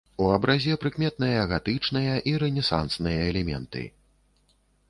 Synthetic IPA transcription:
uɐbɾazʲɛpɾɨkmʲɛt̪̚nɨjɐɣat̪ɨt͡ʂnɨjɐʔiɾɛnʲɛsa̰nsnɨjɐɛlʲɛmʲɛ̰nt̪ɨ̰

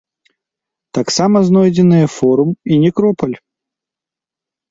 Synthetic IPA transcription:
t̪aksamɐznɔjd͡zʲɪnɨjɛfɔɾuminʲɛkɾɔpɐlʲ

